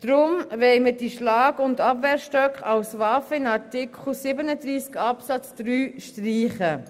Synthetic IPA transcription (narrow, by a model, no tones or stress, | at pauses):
d̥ɾʊmvɛlmədiʃlɑːɡʊndɑbvɛːɾʃtœkχawsvɑfəɪnɑɾtɪkʰχl̩sɪbənədɾiːskɑpsɑt͡sd̥ɾyːʃtriːχə